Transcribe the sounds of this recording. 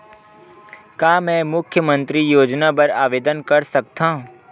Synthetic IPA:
kaːmɛ̃ːmʊkʰjəmə̃nt̪ɾijoːd͡ʒnapɐɾaːʋeːd̪ənkɐɾsɐk̚t̪aːũ

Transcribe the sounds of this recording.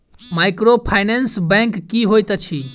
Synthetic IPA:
majkɾopʰajnensbɛ̃ŋkːiɦojt̪ət͡ʃʰi

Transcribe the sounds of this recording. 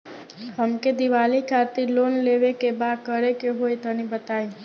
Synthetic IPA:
ɦəmked̪iʋalikʰat̪ilonleʋekebakəɾekeɦojt̪ənibət̪ai

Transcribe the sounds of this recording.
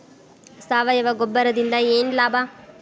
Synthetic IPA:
saːʋɐjɐʋɐɡɔbːɐɾɐd̪ind̪ɐeːnlaːbʱɐ

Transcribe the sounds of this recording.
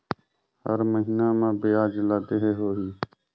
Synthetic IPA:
hə̰ɾməɦiːnãːmãːbeːaːd͡ʒlaːd̪eɦeːɦoːɦiː

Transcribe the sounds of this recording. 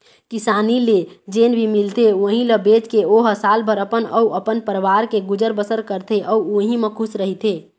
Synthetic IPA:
kisaːniled͡ʒeːnbʱimilt̪eoɦĩləbeːt͡ʃkeoɦəsaːlpəɾəpənəuəpənpəɾʋaɾkeɡud͡ʒəɾbəsəɾkəɾt̪ʰeʔɔuoɦĩmẽkʰʊsɾəɦit̪ʰeː

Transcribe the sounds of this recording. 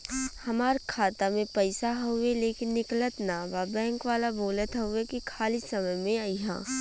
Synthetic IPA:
hɐmaːɾkʰaːt̪amẽpɐɪsaɦoeleːkɪnːɪklət̪nababɛ̃ːŋkʋaːlaboːlət̪ɦɐʊekikʰaːlisɐməjmẽaːiɦɛ̰̃ː

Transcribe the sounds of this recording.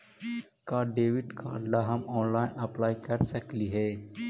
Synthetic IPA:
kaːɖeːʋɪʈkʰa̰ːɖlaɦɐmɔːnlaːɪnɐplaːjkɐɾsəkliɦɛː

